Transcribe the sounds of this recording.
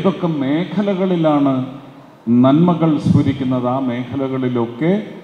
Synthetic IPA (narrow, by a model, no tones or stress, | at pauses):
ðokːeme̞ːkʰɐlɐɣɐɭilaːɳɨ | nɐnmɐɣɐɭsʋuɾikʲːunːɐðaːme̞ːkʰɐlɐɣɐɭilo̞kːe̞